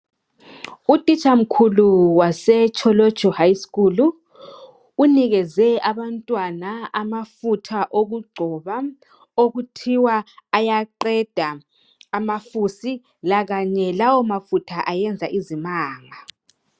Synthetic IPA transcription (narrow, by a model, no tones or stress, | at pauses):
utʼit͡ʃʼam̩kʰuluwasɛt͡ʃʰʼɔlɔ̥t͡ʃʰʼɔhajskuluː | niɣɛzɛaβantʼwanaamafutʰaʔoɣuɡ͡ǀʱɔβa | oɣutʰiwaːjaǃɛd̥ʱaː | mafusi | laɣaɲɛlawɔmafutʰaʔajɛnd͡zʱaʔizimaːŋa